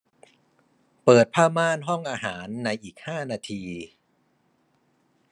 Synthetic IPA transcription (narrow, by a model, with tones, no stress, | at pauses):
pɤː˨˩t̪̚pʰaː˥˩maː˥˩nɦɔ˥˩ŋʔaː˧ɦaː˩˦nːa˧jʔiː˨˩k̚haː˥˩naː˧t̪ʰiː˧